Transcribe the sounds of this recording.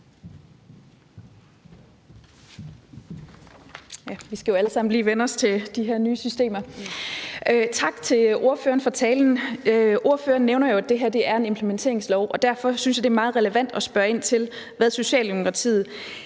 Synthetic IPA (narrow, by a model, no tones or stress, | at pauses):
jæʋisɡ̥æjo̝æləsɑ̈m̰n̩liːʋenɒst͡sʰe̝d̥iɦæɐnyːsysd̥e̝̰ːmɐ | t͡sʰɑ̈ɡ̥t͡sʰe̝lo̝ɐføːɐnfɒ̽t͡sʰɛːln̩ʔo̝ɐføːɐnːeʊnɐjo̝æd̥e̝ɦæɐ̰d̥e̝æɐe̝ne̝mpʰlement͡sʰe̝ɐeŋslɒʊʔɒ̽d̥æɐ̰fɒ̽synsjɑ̈d̥e̝æɐmɑ̈ːð̞̩ˠʁɛləʋæn̰d̥ɒ̽sb̥ɶɐe̝n̰t͡sʰe̝lʋæðˠso̝ɕɛ̰ːld̥emokʰʁɑ̈t͡sʰḭːð̩ˠ